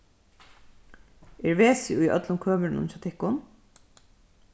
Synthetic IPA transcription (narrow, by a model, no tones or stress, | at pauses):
ɛɹʋeːsɪʊjœ̰t̪lʊmkʰøːməɾɪnʊ̰nfat̪ʰɪhkʊn